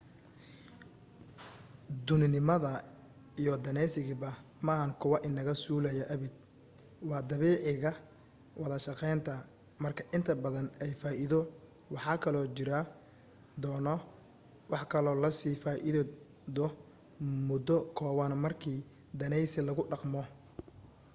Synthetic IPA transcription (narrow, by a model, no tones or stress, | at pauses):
d̪ʊnɪnɪmɐðɐ | ijɔd̪ɐnɛjsɪɣɪbɐmɐhɐŋkʰʊwɐʔɪnːɐɣɐsuːlɐjɐʔɐβɪd̪̚ | wɑːd̪ɐβiːʕɪɣɐ | wɑðɐʃɑqɛjnt̪ʰɐ | mɐrkʰɐʔɪnt̪ʰɐbɐðɐnɛjfaːʔɪðɔ | wɑħɑːkʰɐlɔːt͡ʃɪɾɐ | d̪ɔːnɔ | wɑħkʰɐlɔːlɐsiːfaːʔɪð | d̪ɔ | mʊd̪ɔkʰɔːwɐnmɐrkʰiː | d̪ɐnɛjsɪlɐɣʊɖɑqmɔ